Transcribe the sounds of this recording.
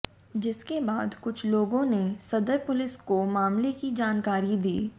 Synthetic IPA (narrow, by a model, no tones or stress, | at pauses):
d͡ʒɪskebaːd̪kʊt͡ʃʰloːɡõnesɐd̪əɾpʊlɪskomaːmlekid͡ʒaːnkaːɾid̪iː